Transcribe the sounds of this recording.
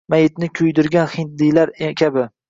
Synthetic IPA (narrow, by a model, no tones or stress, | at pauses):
majɪt̪nɪkʲʰʊjd̪ɪɾɡʲanhɪnt̪̚d̪ijlaɾekʲʰabɪ